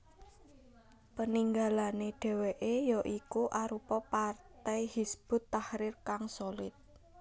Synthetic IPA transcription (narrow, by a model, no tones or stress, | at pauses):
pəniŋɡalaneɖ̥e̤weʔejɔʔikuʔaɾupɔpart̪ɛjhisb̥ʊ̤t̪ːahɾɪrkaŋsolɪt̪̚